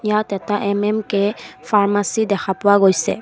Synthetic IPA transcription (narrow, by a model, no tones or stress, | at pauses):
ijat̪ɛtaʔɛmɛmkɛfaɹmasid̪ɛkʰapɔwaɡojsɛ̰